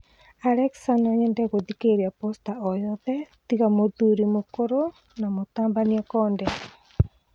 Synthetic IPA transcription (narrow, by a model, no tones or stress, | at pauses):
aɾɛksanaɲɛndɛɣoðikeɾiapɔstaɔjɔðɛtiɣamoðuɾimokoɾo | namot̪aːmbaniɛkɔːndɛ